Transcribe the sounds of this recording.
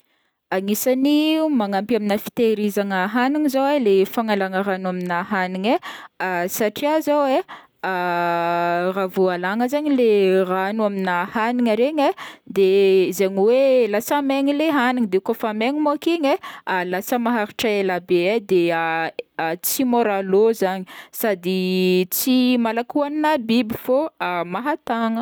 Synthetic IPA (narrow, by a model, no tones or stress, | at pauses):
aŋisanimaŋampaminəfi̥t̪eɾizaŋəɦaniŋizowelefaŋalaŋəɾanuaminaɦaniɲe | saʈ͡ʂiazawe | a | ravualaŋəzaɲileranuaminahaniɲaɾeɲed̪ezeɲiwelasameŋileɦaniŋid̪eukofameŋimokiɲelasəmaɦaɾiʈ͡ʂaelabeed̪e | t͡simoɾalozaɲisad̪it͡simalakuaninabibifoamaɦat̪aŋə